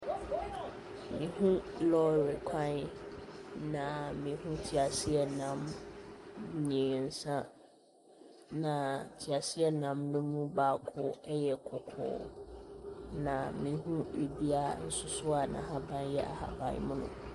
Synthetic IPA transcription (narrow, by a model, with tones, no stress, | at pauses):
mĩ˨hũ˦lɔ˦ɾɪ˨kʷʰã˦n˦ | nã˨mĩ˨˦ɦũ˦tʰi˨a˨sɪ˦ɛ˦nã˨m | ɲĩ˨n̩˨sã˦ | nã˨tʰi˨a˨sɪ˦ɛ˦nã˨mnũ˦mũ˦ba˦kʰʊ˦ɛ˦jɛ˨kʰʊ˨kʰʊ̰ː˨˦ | nã˨mĩ˨˦ɦũ˦e˨bi˦a˦n̩˦sʊ˦sʊ˦a˨nã̰˨ɦa˦bã˦n˦jɛ˦ʔa̰˨ha̰˨bã̰˨j̰mʊ̃˦nʊ̰̃˦